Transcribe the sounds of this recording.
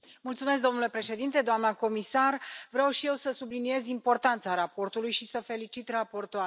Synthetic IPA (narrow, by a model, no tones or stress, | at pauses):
mult̪sumesk̚d̪o̞mnule̞pɾe̞ʃe̞d̪int̪e̞d̪oamnəko̞misarvɾeawʃije̞wsəsublinie̞zimpo̞rt̪ant̪saɾapo̞rt̪ulujʃisəfe̞lit͡ʃit̪rapo̞rt̪oa